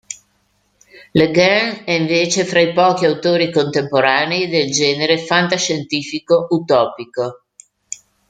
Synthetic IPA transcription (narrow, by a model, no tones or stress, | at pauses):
leɡanɛiɱveːt͡ʃefɾaipɔːkiawt̪oːɾikont̪empoɾaːneid̪eld͡ʒɛːneɾefant̪aʃent̪iːfikoʔut̪ɔːpiko